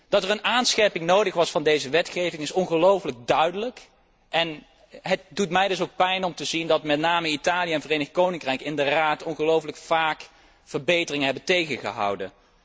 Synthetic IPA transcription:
d̥ɑtəɹənaːnsχɛɹpɪŋnowdəχʋɑsfɑndejzəʋɛtχejvɪŋɪsɔnχəlowfləɡ̚dœɥdələk | ɛn | ɦət̚dutmɛjdɵs̬owk̚pɛjnɔmtəzindɑtmɛtnaːməitaːliəɛnvərejnəχkownɪŋkrɛjkɪndəraːtɔnχəlowfələkfaːk | fəɹbejtərɪŋəɦɛbəntejχəχə̰ɦɑ̰wdən

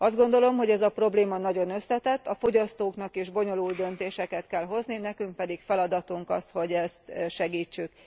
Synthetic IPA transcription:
ɒzd̪ɡo̞nd̪o̞lo̞mɦo̞ɟɛzɒpro̞bleːmɒnɒɟo̞nø̞sːɛt̪ɛt̪ːɒfo̞ɟɒst̪oːknɒkiʒbo̞ɲo̞luld̪ø̞nt̪eːʃɛkɛt̪kɛlɦo̞zninɛkyŋk̚pɛd̪ikfɛlɒd̪ɒt̪uŋkɒst̪ho̞ɟɛst̪ʃɛɡiːt͡ʃːyk

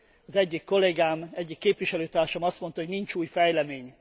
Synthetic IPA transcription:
ɒzɛɟːikːo̞leːɡaːmɛɟːikːeːpʋiʃɛløːt̪aːrʃomɒst̪mo̞nt̪ɒɦoɟniɲt͡ʃuːjfɛjlɛmeːɲ

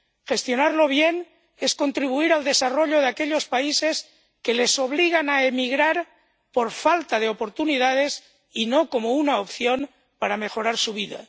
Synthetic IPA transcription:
xe̞st̪jo̞naɾlo̞βjen | esko̞nt̪ɾiβuiɾald̪e̞saroʎoð̞eakeʎo̞spaises | kelesoβ̞liɣ̞anaemiɣɾaɾ | poɾfalt̪aðeopoɾt̪uniðað̞es | inoko̞mounaopθjom | paɾame̞xoɾaɾsuβ̞iða̰

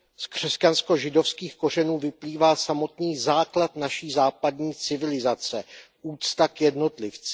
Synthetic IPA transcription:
skr̝̥ɛscansko̞ʒɪdo̞fskiːxko̞rɛnuːvɪpliːvaːsamo̞t̪niːzaːklat̪naʃiːzaːpadɲiːt͡sɪvɪlɪzat͡sɛ | ʔuːt͡st̪akjɛdno̞t̪lɪft͡s

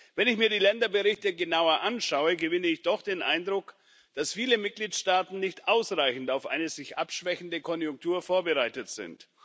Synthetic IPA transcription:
vɛnɪçmiːɐdiːlɛndɐbəʁɪçtəɡənaʊɐʔanʃaʊəɡəvɪnəɪçd̥ɔχd̥eːnʔa̰ɪndʁʊk | d̥asfiːləmɪt̚ɡ̥liːtʃtaːtn̩nɪçtʔaʊsʁaɪçn̩taʊfʔa̰ɪnəzɪçʔapʃv̥ɛçn̩dəkʰɔnjʊŋk̚tʰuːɐfoːɐbəʁaɪtətz̥ɪ̰nt

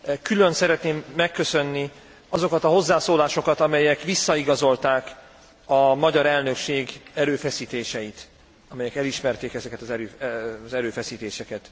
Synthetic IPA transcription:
kylø̞nsɛɾɛt̪neːmːɛkːø̞sø̞nːi | ɒzo̞kɒt̪ɒɦo̞zːaːsoːlaːʃo̞kɒt̪ɒmɛjɛkʋisːɒiɡɒzo̞lt̪aːk | ɒmɒɟɒɾɛlnø̞kʃeːɡɛɾøːfɛsiːt̪eːʃɛjit̪ | ɒmɛjɛkɛliʃmɛrt̪eːkɛzɛkɛt̪ɒzɛɾøːzɛɾøːfɛsiːt̪eːʃɛkɛt̪

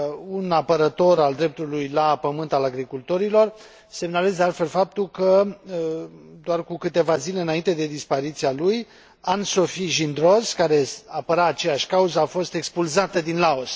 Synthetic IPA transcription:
unapəɾət̪o̞ɾald̪ɾe̞p̚t̪ulujlapəmɨnt̪alaɡɾikult̪o̞ɾilo̞r | se̞mnale̞zd̪alt̪fe̞lfap̚t̪ulkə | d̪oarkukɨt̪e̞vazileɨnaint̪e̞d̪e̞d̪ispaɾit̪sialuj | anso̞fiʒind̪ɾo̞zkaɾe̞apəɾaːt͡ʃe̞jaʃʲkauzəafo̞st̪e̞kspulzat̪əd̪inlao̞s

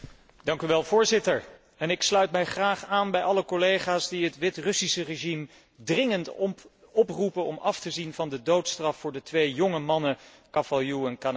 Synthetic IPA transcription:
d̥ɑŋkyʋɛlˠvʊːɹzɪtəɹ | ɛnɪkslœɥtmɛjχraːχaːnbɛjʔɑləkɔlejχaːsdiɦətʋɪtrɵsisəreʒim | drɪŋənt | ɔprupənɔmɑftəzinvɑndədowtstrɑfːʊːɹdətʋejjɔŋəmɑnə | kɑfajuɛnkan

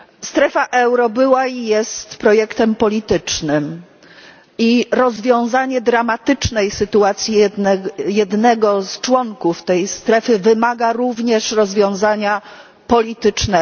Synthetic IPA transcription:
st̪ɾɛfaʔɛwɾɔbɘwaijɛst̪pɾɔjɛkt̪ɛmpɔlʲit̪ɘt͡ʂnɘm | iɾɔzvʲjɔ̃w̃zaɲɛd̪ɾamat̪ɘt͡ʂnɛjsɘt̪uat̪sʲjiɛjɛd̪nɛɡɔst͡ʂwɔŋkuft̪ɛjst̪ɾɛfɘvɘmaɡaɾuvɲɛʂɾɔzvʲjɔ̃w̃zaɲa | pɔlʲit̪ɘt͡ʂnɛ

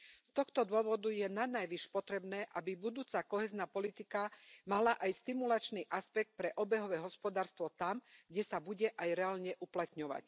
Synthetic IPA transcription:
st̪ɔxt̪ɔd̪ʊɔʋɔd̪ujɛnanajʋiʃpɔt̪ɾɛbnɛːʔabibud̪uːt͡sakɔɦɛːznaːpɔlit̪ikamalaʔajst̪imulat͡ʃniʔaspɛk̚t̪̚pɾɛʔɔbɛɦɔʋɛːɦɔspɔd̪aːɾst̪ʋɔt̪amɡɟɛsabuɟɛʔajɾɛaːlɲɛʔuplat̪ɲɔʋa̰c

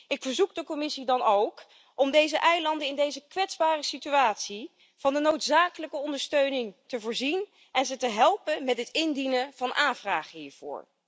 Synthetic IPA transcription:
ɪkfəɹzukdəkɔmɪsidɑnowk | ʔɔmdejzəʔɛjlɑndəɪndejzəkʋɛtzbaːrəsityaːtsi | v̥ɑndənowtsaːkələkəɔndəɹstøɥnɪŋtəvʊːɹzin | ɛnzətəɦɛlˠpənmɛtɦətɪndinəv̥ɑnʔaːnvraːχəɦiːɹv̥ʊ̰ːɹ

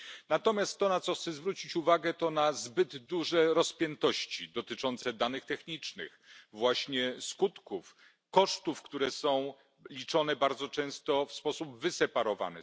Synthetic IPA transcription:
nat̪ɔmʲjast̪ːɔnat̪sɔxt̪sɛzvɾut͡ɕit͡ɕuvaɡɛt̪ɔnazbɘd̪ːuʐɛɾɔspʲjɛnt̪ɔɕt͡ɕid̪ɔt̪ɘt͡ʂɔnt̪sɛd̪anɘxt̪ɛxɲit͡ʂnɘ̰xvwaɕɲɛskut̪kuf | kɔʂt̪ufkt̪uɾɛsɔ̃w̃ | lʲit͡ʂɔnɛbaɾd̪zɔt͡ʂɛ̃w̃st̪ɔfspɔsubvɘsɛpaɾɔva̰nɛ̰

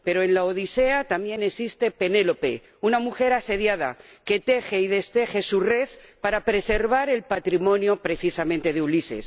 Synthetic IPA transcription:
pe̞ɾoe̞nlaoð̞ise̞at̪ambje̞ne̞sist̪e̞pe̞ne̞lo̞pe̞ | unamuxe̞ɾase̞ðjað̞a̰ | ke̞t̪e̞xe̞iðe̞st̪e̞xe̞sure̞θpaɾapɾe̞se̞ɾβ̞aɾe̞lpat̪ɾimõ̞njopɾe̞θisamẽnt̪e̞ðeulise̞̰s

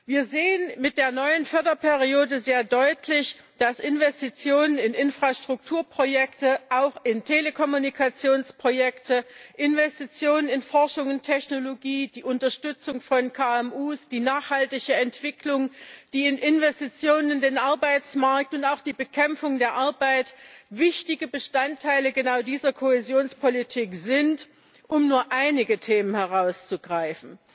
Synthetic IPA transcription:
viːɐzeːənmɪt̚d̥eːɐnɔʏənfœɐdɐpʰɛʁioːdəzeːɐdɔʏtʰlɪç | d̥asʔɪnvɛstit͡sjoːnənɪnɪnfʁ̥aʃtʁ̥ʊk̚tʰuːɐpʁ̥ojɛktəʔaʊxɪntʰeːləkʰɔmunikʰat͡sjoːnspʁ̥ojɛktəʔɪnvɛstit͡sjoːnənɪnfɔɐʃʊŋʊntʰːɛçnoloɡiːd̥iːʔʊntɐʃtʏt͡sʊŋfɔnkʰaːɛmʔuːsd̥iːnaːχhaltɪçəɛntv̥ɪklʊŋd̥iːɪnʔɪnvɛstit͡sjoːnənɪndeːnʔaɐbaɪt͡smaɐk̚tʊntaʊxd̥iːbəkʰɛmfʊŋdeːɐʔaɐbaɪtvɪçtɪɡəbəʃtantʰːaɪləɡənaʊdiːzɐkʰohezjoːnspʰolitʰiːkz̥ɪnt | ʔʊmnuːɐʔaɪnɪɡətʰeːmənhɛʁ̞aʊst͡suɡʁaɪfn̩

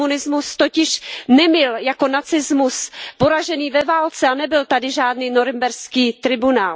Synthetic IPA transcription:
unɪzmust̪ocɪʃnɛmɪljako̞nat͡sɪzmuspo̞ɾaʒɛniːvɛvaːlt͡sɛanɛbɪlt̪adɪʒaːdniːno̞ɾɪmbɛɾskiːt̪ɾɪbunaːl

